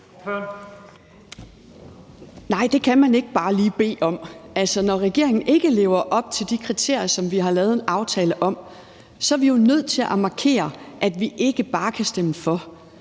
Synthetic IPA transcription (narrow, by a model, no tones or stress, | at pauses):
nɑ̈ɪ̰d̥e̝kʰæmæne̝ɡ̥əb̥ɑ̈ːliːb̥e̝̰ːɒ̽mælsɒnɒʁɛɡ̥e̝ɐe̝ŋn̩ʔe̝ɡ̥əle̝̰ːʊɐʔɒ̽b̥̚t͡sʰe̝ld̥ikʰʁit͡sʰe̝ɐ̰jɐsɒ̽mʋiɦɑ̈lɛːð̩ˠe̝nʔɑ̈ʊt͡sʰɛːləʔɒ̽m̰ | sɒ̽ʋijonøð̞̰ˠt͡sʰe̝lʔæmɑ̈kʰe̝̰ːɐʔæd̥ʋiʔe̝ɡ̥əb̥ɑ̈ːkʰæsd̥eməfɒ̽